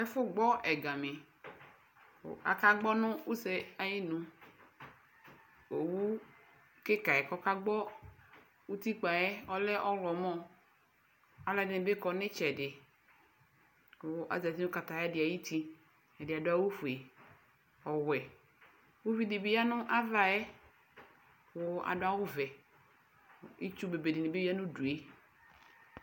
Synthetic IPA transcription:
ɛ˦fʊ˦ɡ͡bɔ˦ʔɛ˨ɡa˨mẽ˨ | a̰˨ka˦ɡ͡bɔ˦nʊ̃˦wu˦se˦a˦ji˦nũ˦ | o˨wu˦ | ke˦ka˨ɛ˨kɔ˦ka˦ɡ͡bɔ˦ | wu˦t̪i˦k͡pa˨jɛ˦ɔ˦lɛ˦ʔɔ˦lɔ˨mɔ̃˦ | a˨la˨dɪ˨nɪ̃˨be˦kɔ˨nɪ̃˦t͡ʃɛ˨dɪ˨˦ | ʔa̰˨za˨ti˦nʊ̃˦ka˨ta˨ja˦dɪ˨a˨ji˦ti˦ | ɛ˨dɪ˨a˨dʊ˦a˦wu˦fu˨e˨ | ɔ˨wɛ˨ | wu˦vi˦di˨bi˦ja˦nʊ̃˦ʔa˦va˨jɛ˦ | wʊ˨˦a̰˨dʊ˦a˦wʊ˦vɛ˨ | i˦t͡ʃu˦be˨be˨dɪ˨nɪ˨be˦a˦nʊ̃˦du˨e˦

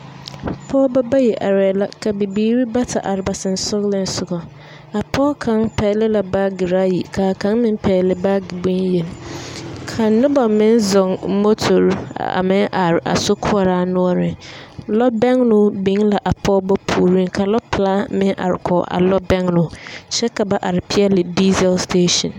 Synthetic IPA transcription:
pʰɔ˦bɔ˦ba˦jɛ˨ʔa˨ɾɛː˨la˦kʰa˨be˨bi˦ɾi˦ba˦tʰa̰˨ʔa˨ɾɪ˨ba˨sɪ̃˨n˨sʊ˦ɡlɪ̃˨n˨sʊ˨ɡɔ˨ | a˨pʰɔː˦kʰã˦ŋpʰɛː˨lɪ˦la˨baː˦ɡɪ˨ɾa˦jḭ˨kʰaː˨kʰã˦nmɪ̃˦m˦pʰɛː˨lɪ˦baː˦ɡi˨bũ˦nje˨n | kʰã˨˦nʊ̃˦bɔ˨mɪ̃˦n˦zɔ̃˨ŋmo˦tʰo˨ɾ̰a̰˨mɪ̃˦ʔa˨ɾʔa̰˨sʊ˦kʰʊ˦a˨ɾaː˨nʊ̃˦ɔ˦ɾɪ˨lɔ˦bɛ˦ŋnʊ̃˦bĩ˦la˨ʔa˨pʰɔ˦bɔ˦pʰuː˨ɾĩ˦ŋkʰa˨lɔ˦pʰlaː˦mɪ̃˦ʔa̰˨ɾɪ̰˨kʰɔ̰˨ʔa̰˨lɔ˦bɛ̃˦ŋnʊ̃˨˦ɕɛ˦kʰa˨ba˦ʔa˨ɾɪ˨pʰi˦a˦lɪ˨di˦zɛ˨lstʰeː˦ʃɔ̰̃˨n

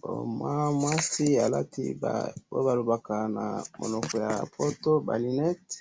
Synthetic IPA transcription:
bo̰˨mwa˦mwa˦si˦a˨la̰˦tḭ˦ba̰bo̰˦ba˨lo˨ba˨ka˨na̰˨mo̰˨nɔ˨kɔ˨ja̰˨pʰo˦to˦ba̰˨li˨nɛ˦t

